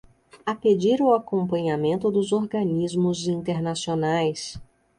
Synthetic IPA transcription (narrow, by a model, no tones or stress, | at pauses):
aped͡ʒiɾʊakõmpɐ̃ɲamẽnt̪ʊd̪ʊzoɾɡɐnizmʊzĩnt̪eɾnasionajs